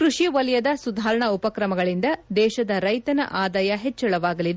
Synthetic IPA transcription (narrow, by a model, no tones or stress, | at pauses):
kɾuʃiʋɐljɐd̪ɐsud̪ʱaːɾɐɳɐupɐkɾɐmɐɡɐɭind̪ɐd̪ɛːʃɐd̪ɐɾɐjt̪ɐnɐ̰ʔaːd̪aːjɐɦet͡ʃːɐɭɐʋaːɡɐlid̪